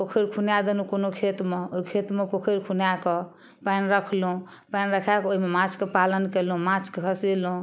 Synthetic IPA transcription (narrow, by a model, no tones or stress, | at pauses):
pokʰiɾkʰunjad̪enukonokʰet̪meoikʰet̪mepokʰiɾkʰunjakɔ | painɾəkʰlũ | panɾəkʰakoɦimemãt͡ʃkepalənkelũmãt͡ʃkeɦʰəsilũ